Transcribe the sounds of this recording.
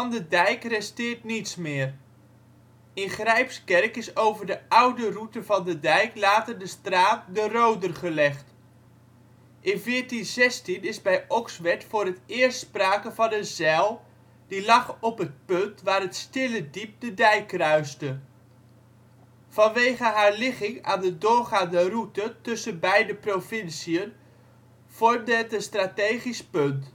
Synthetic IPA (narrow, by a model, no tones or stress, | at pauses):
ɑndədɛjkrɛstɪːɹtnitsmɪːr | ɪnχrɛjpskɛrkɪsowvəɹdəʔʌwdərutəvɑndədɛjklaːtərdəstraːt̚dərowdərχəlɛχt | ʔɪnvɪːɹtinzɛstinɪzbɛjɔksʋɛtfʊːɾətɪːəɹstspraːkəvɑnəzɛlˠ | d̥ilɑχɔpɦət̚pøntʋaːrətstɪlədip̚dədɛjkrœɥstə | fɑnʋejχəɦaːɹlɪχɪŋa̰ːndədʊːrχaːndərutətɵsənbɛjdəprofɪnsiən | v̥ɔrmdəɦətənstraːtejχispønt